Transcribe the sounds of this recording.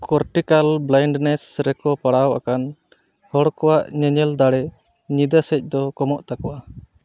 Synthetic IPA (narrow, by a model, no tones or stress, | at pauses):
kʰɔɾʈikalblajɳɖnɛsɾɛkɔpaɽawʔakan | hɔɽkɔwaʔɲɛɲɛld̪aɽɛ | ɲid̪asɛc̚ˀd̪ɔkɔmɔʔt̪akɔwʔa